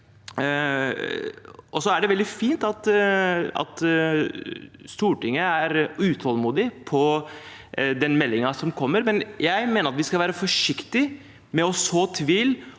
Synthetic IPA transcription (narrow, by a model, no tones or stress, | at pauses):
ɔsɔæɖɛʋɛld̪ɪfiːnt̪ɑt̪ | ɑ̰t̪ | st̪uːʈɪŋːəæɾʉːt̪ʰɑlmuːd̪ɪpʰɔ | d̪ɛnmɛlːɪŋɑsɔmkʰɔmːəɾmɛnjæɪmeːnəɾɑt̪ʋɪskɑlʋæːɾəfɔʂɪkt̪ɪ | mɛɔsoːt̪ʰʋiːl